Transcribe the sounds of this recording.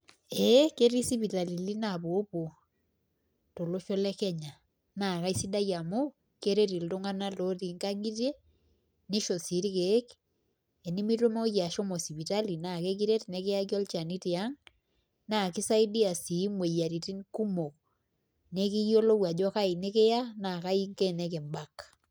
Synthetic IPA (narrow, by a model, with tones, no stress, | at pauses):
ɛ˦ke˦ɾi˦si˦pi˨ta˨li˨li˦na˨bo˨˦po˨ | to˨lo˦ʃɔ˦lɛ˦kɛ˦ɲa˨ | na˨ka˦i˦si˦da˦ja˨mo˦ | ke˦ɾe˦ɾi˨ltʊ˦ŋa˦na˦lo˦ti˨ŋka˦ŋi˦te˦ | ni˦ʃo˨si˨˦ɾi˦ke˨˦k | ɛ˨ni˦mi˦to˦mɔ˦ja˨ʃɔ˦mɔ˨si˨pi˨ta˦li˨na˨ke˦k̬i˦ɾe˦tne˨˦ke˦ja˦ki˦ɔ˦lt͡ʃa˨ni˦ti˨a˦ŋ | na˦˨ki˦sa˦i˦di˦a˨si˨˦mwe˨ja˨ɾi˨ti˦nku˦mo˨k | ne˦ki˦jo˦lo˦wa˨d͡ʒɔ˦ka˦i˨ne˦ke˦ja˦na˨ka˦i˦ŋke˦˨nɛ˦ke˨mba˨k